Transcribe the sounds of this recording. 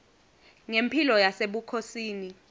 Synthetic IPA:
ŋempʰilɔjaseɓukʰosiːni

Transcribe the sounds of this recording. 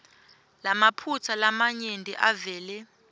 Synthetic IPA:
lamapʰut͡sʰalamaɲendʱḭʔavɛːlɛ

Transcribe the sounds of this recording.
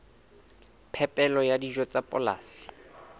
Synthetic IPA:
pʰɛpʼɛlɔjadiʒɔt͡sʼapʼɔ̰la̰ːsi̥

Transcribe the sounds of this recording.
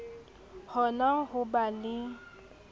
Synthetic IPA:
hɔnaɦʊbalɪ

